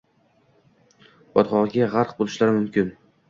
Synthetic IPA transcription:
b̥ɒt̪χɒʁɡʲaʁaɾq̚bolˠɪʃlaɾɪmʊmkʲɪn

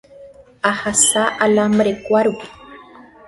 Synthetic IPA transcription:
ahasaʔalamɾekʷaɾu

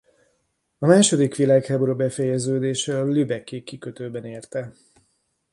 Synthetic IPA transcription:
ɒmaːʃo̞d̪ikʋilaːkhaːboɾobɛfɛjɛzøːd̪eːʃɛɒlybɛkːekːikøt̪øːbɛneːrt̪ɛ

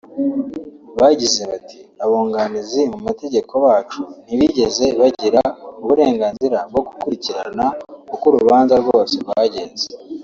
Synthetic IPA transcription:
βaɟize̞βatʰiaβoːŋɡanizimumate̞ɟe̞kʰo̞waːt͡ʃun̥iβiɟe̞ze̞βaɟiɾauβuɾe̞ːŋɡaːnziɾab̚ɡo̞ɡukuɾiciɾa̰naukuɾuβaːnzaɾɡo̞ːse̞waɟe̞ːnze

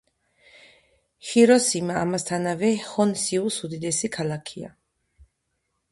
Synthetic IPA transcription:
χiɾɔsimaːmast̪ʰanavɛhɔnsiusud̪id̪ɛsikʰalakʰia̰

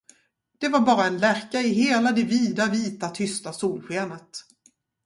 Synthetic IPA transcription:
d̪̥ɛvaɾbɑːɾaɛnlæːɾkaɪɦeːlad̪ɛviːd̪aviːt̪at̪ʰʏst̪asuːlɧeːnət̪

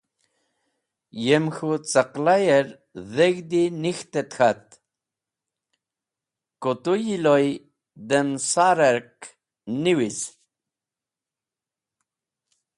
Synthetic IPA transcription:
jemxut͡səqlajeɾ | ðeɡd̪inixt̪et̪xat̪ | kot̪ujiloj | d̪emsaɾeɾk | niwis

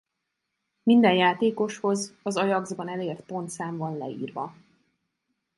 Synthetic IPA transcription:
mind̪ɛnjaːt̪eːko̞ʃho̞zɒzɒjɒɡzbɒnɛleːrt̪̚po̞nt̪saːɱvɒnlɛ̰ḭːrvɒ̰

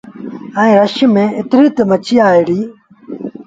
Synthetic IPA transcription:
ə̃ĩːɾəʃəmẽːɪt̪ɾiːt̪əmət͡ʃiːaːiɽiː

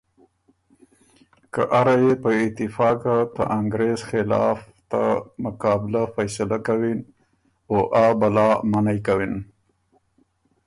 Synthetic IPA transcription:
ka̰ʔaɾajepəɪt̪ɪfɑkat̪əʔaŋɡɾezxɪlɑ̰f | t̪amʊkɑbɪlafajsalakawin | oʔabalɑmanajkawin

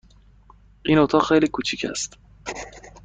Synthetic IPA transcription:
ʔiːnot̪ʰɒːxejliːkʰuːt͡ʃʰicʰæ̰st̪

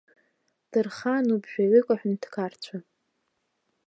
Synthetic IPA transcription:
d̥ɨrχanubʒᶣaɥʷʏkʷʼaħᶣntʰkʰart͡ɕʷʰa

